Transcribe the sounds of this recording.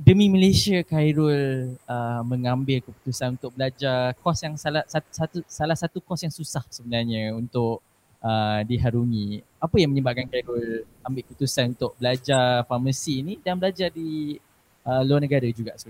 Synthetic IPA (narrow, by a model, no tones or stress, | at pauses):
dəmĩməlesiakajɾʊləmə̃ŋambɪlkəpu̥t̪usanunt̪ʊk̚bəlad͡ʒarkɔsjaŋsalasat̪sat̪usalahsat̪ukɔsjaŋsusahsəbənarɲəunt̪ʊʔ̚ | ʔədiɦaɾuŋĩ | apəjaŋməɲəbaʔkankajɾʊl | ambɪlʔkəput̪usanunt̪ʊk̚bəlad͡ʒarfaməsiːnidanbəlad͡ʒadi | əluarnəɡaɾad͡ʒuɡaʔsə